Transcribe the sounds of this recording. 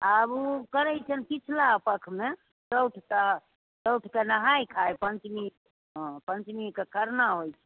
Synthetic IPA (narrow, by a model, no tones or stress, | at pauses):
abukəɾəjt͡ʃʰənkit͡ʃʰlaəpəkʰme | səwʈʰka | ɾəwʈʰkenəɦajkʰajpənt͡ʃmi | pənt͡ʃmikekʰəɾnaɦojt͡ʃʰɛ̥